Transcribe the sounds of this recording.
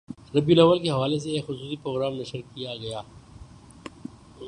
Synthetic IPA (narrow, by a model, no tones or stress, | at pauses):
ɾɐbjunɐʋəlkeɦɐʋaːles̬eeːkxʊsuːsipɾoːɡɾaːmnɐʃəɾkijaɡɐjaː